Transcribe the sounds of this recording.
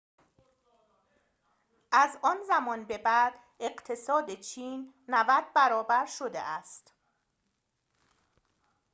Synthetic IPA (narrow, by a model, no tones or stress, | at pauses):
ʔæzɒːnzæmɒːnbe̞bæd̪ | e̞ɢt̪ʰe̞sɒːd̪et͡ʃʰiːnː | ævæd̪̚bæɾɒːbæɾʃo̞d̪e̞̰ʔæst̪